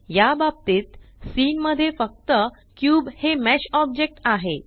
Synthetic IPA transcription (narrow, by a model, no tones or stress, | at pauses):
jabab̚t̪iːt̪siːnməd̪ʱːjefək̚t̪ə | kjuːbhemæɕɔb̚d͡ʑek̚ʈaɦe